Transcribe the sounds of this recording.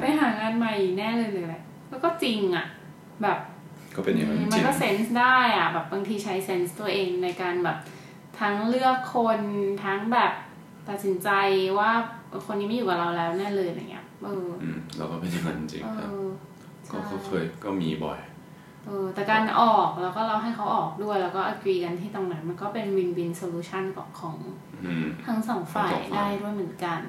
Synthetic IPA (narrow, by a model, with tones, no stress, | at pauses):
pa˧jɦaː˨˩˦ŋaː˧nma˨˩jnɛː˥˩lɤː˧jlaː˨˩laː˧˩ | kɔː˥˩kɔː˥˩t͡ɕi˧ŋʔa˨˩ | bɛː˨˩p̚ | kɔː˥˩pe˧ni˧ŋa˧ma˧nkɔː˥˩se˦˥nsdaː˥˩jʔa˨˩bɛː˨˩p̚ba˧ŋt̪ʰiː˧t͡ɕʰa˦˥jse˦˥nst̪u˧ɐʔeː˧ŋna˧jkaː˧nbɛː˨˩p̚ | t̪ʰa˦˥ŋlɯ˥˩əkʰːo˧nt̪ʰa˦˥ŋbɛː˨˩p̚ | t̪a˨t̪̚si˩˦nt͡ɕa˧jwaː˥˩ʔkʰo˧nːiː˦˥ma˥˩juː˨˩ka˨˩ɾa˧wlɛː˦˥wnɛː˥˩lɤː˧ja̰˨˧˩ŋːi˦˥ɐʔɤː˧ɯ˨˧˩lɛ̰ː˦wkɔː˥˩pa˧˩nt̪ʰa˥˩a̰˧nt͡ɕi˨˧t͡ɕḭ˧ʔɤː˦˧ | t͡ɕʰkɔ̰ː˥˩˥kʰɔ˦˥˩kʰɤː˧jkɔː˥˩mḭː˧bɔ̰˨˩j | ʔɤː˧t̪ɛː˨˩kaː˧nʔɔː˨˩k̚lɛː˦˥wkɔː˥˩la˧˩wɦa˥˩jkʰa˦˥wʔɔː˨˩k̚du˥˩əjlɛː˦˥wkɔː˥˩ʔa˧˩kɾiː˧ka˧nt̪ʰiː˥˩t̪ɔː˧ŋnaː˨˩˥ma˧nkɔː˥˩pe˧nwi˧nwi˧nsoː˧luː˧˥t͡ɕʰa˥˩nkɔ̰˨˩kkʰːɔː˩˦ŋː˨˧˩ | t̪ʰa˦˥ŋsɔː˩˦ŋfaaː˧˨˩jdaː˥˩jdu˥˩jmɯ˩˦ə˦nka˧n